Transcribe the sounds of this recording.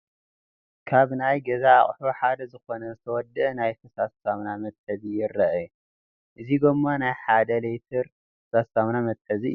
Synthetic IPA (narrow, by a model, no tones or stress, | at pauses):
kʰaβnajɡɐzaːχʼħuħad̪ɐzɨxo̞nɐzɨt̪ʰɐwɔd̪ːɨnajt̪ʰɐsassamnamɐt̪ʼːɐzijɪrɐʔɐju | ʔɨziɡomːanajħad̪ɐlejt̪ʰɨɾ | kɐsasamnamɐt̪ʼːɐziɨ